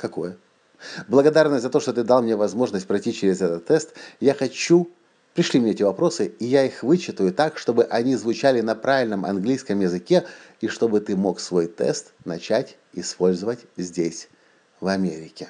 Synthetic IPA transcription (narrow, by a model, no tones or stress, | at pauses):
kɐko̞jə | blˠəɡɐd̪arnəsʲzɐt̪o̞ʂt̪o̞t̪ɨd̪alˠmnʲevɐzmo̞ʐnəsʲt̚ʲpɾɐjtʲit͡ɕɪɾʲɪzɛt̪ət̪ːɛst̪jaxɐt͡ɕːu | pɾʲɪʂlʲimnʲeetʲɪvɐpɾo̞sɨijaixvɨt͡ɕːɪt̪əjʊt̪akʂt̪o̞bɨʔɐnʲizvʊt͡ɕælʲɪnɐpɾavʲɪlʲnəmʔɐ̰nɡlʲijskəmjɪzɨkʲeiʂt̪o̞bɨt̪ɨmo̞ksvo̞jt̪ɛ̰st̪nɐt͡ɕætʲ | ɪspo̞lʲzəvətʲzʲdʲesʲ | vɐmʲeɾʲɪkʲɪ